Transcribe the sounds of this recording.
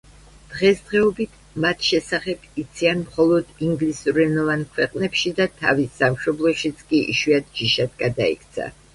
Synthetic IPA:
d̪̥ʁɛsd̪ʁɛɔbit̪ʰ | mat̪ʰʃɛsaχɛb̥it̪sʰianmχɔlˠɔd̪iŋɡlisuɾɛnɔvankʰwɛqʼnɛpʃid̪at̪ʰa̰visːamʃɔblˠɔʃit̪sʰkʼiḭʃwiat̪̚d͡ʒiʃad̪̚ɡad̪aḭkʰt̪sʰa̰

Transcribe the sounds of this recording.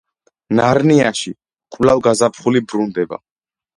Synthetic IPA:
naɾniaʃi | qʼlavɡazapʰχulibɾund̪ɛba̰

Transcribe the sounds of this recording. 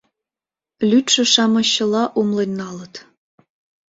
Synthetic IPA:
lʲyt̪ʃɘ̆ʃɑmɤ̆ɕːɤ̆lˠɑʔumlˠenʲːɑlɤ̆t̪

